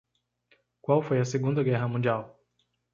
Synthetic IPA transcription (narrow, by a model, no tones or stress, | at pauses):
kwawfojɐseɡũnd̪ɐɡɛɦɐmũd͡ʒiaw